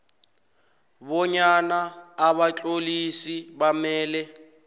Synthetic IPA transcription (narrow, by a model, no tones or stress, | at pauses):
bɔɲanaːβat͡ɬʼolisibamɛːlɛ